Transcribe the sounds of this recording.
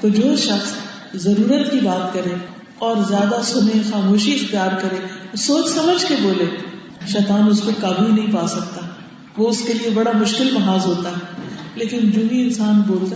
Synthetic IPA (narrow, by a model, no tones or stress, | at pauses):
t̪oːd͡ʒoːʃɐxs | zɐɾuːɾət̪kibaːt̪kɐɾẽ | ɔːɾzjaːd̪asʊnẽxaːmoːʃiɪxt̪ijaːɾkɐɾẽːsoːt͡ʃsɐməd͡ʒʱkeboːlẽ | ʃɛːt̪aːnʊskokaːbʱuinɐɦĩpaːsɐk̚t̪aɛ | ʋoʊskeliebɐɽamʊʃkɪlmɐɦaːzɦoːt̪aɦɛleːkɪnd͡ʒuːmĩɪnsaːnboːlt̪